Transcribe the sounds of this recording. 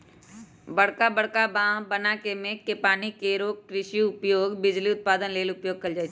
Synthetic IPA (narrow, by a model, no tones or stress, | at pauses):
bɐɽkabəɽkabãːɦbənakemẽkepaːnikeɾoːɡ̚ʈɾɪʃjuʊpjoːɡbɪd͡ʒliʊt̪̚paːd̪ənleːlʊpjoːɡ̚kɐld͡ʒaːt͡ʃː